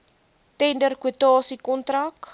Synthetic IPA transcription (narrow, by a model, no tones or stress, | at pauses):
tɛndərkwuətɑːsikɔntrak